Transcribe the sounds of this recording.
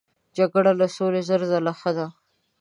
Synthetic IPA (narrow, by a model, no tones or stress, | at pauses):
d͡ʒaɡɽalasolezəɾzalaxəd̪a